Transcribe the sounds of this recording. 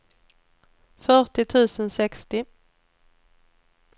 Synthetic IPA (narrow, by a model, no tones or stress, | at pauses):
fœʈɪt̪ʰʉ̟ːsənsɛkst̪ɪ